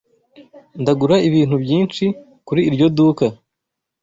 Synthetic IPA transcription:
ndaɡuɾaiβiːn̥hubjiːnt͡ʃi | kuɾiːɾɟo̞duːka

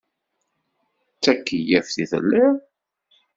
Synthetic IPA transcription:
t͡sːækːijæfθiðə̰lːɪɾ

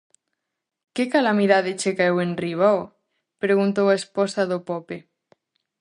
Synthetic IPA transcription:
kekalamiðaðet͡ʃekaewenriβ̞aw | pɾeɣunt̪owaesposaðopope

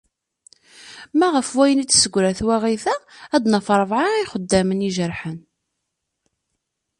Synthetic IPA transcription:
mæʁəfwæjənit̪ːsəɡʷːɾæθwæʁiθæːd̪nəfɾˤvʕaiχəd̪ːæməniʒəɾħən

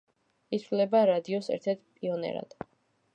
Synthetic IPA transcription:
it̪sʰvlɛbaɾad̪iɔsɛ̰ɾt̪ʰɛɾt̪̚pʼiɔnɛ̰ɾa̰d̪̥

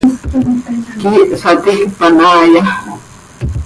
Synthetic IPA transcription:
kiʔsat̪iʔpanaːja

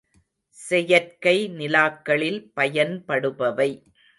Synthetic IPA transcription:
sɛjɐɾkɐɪnɪlaːkːɐɭɪlpɐjɐnpɐɽɯpɐʋɐɪ

